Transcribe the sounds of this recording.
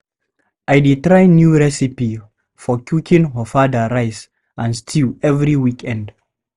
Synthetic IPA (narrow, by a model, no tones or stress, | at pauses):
ʔajditɹajnjuɹɛsipi | fɔkʰjukĩŋɦəfadəɹajs | ãnstʰilɛvɹiwikʰɛ̃nd